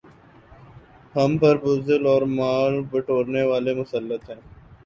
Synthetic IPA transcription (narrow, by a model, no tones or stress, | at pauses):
hɐmpəɾbʊzəlɔːɾmaːlbəʈʰoːɾneʋaːlemʊsəlːət̪ɦɛ̃ː